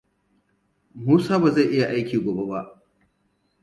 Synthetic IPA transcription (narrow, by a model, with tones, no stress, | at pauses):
muː˦saː˦ba˨za˦˨ʔɪ˦ja˨ʔa˦jkʲiː˨ɡʷo˨be˦ba˦ʔ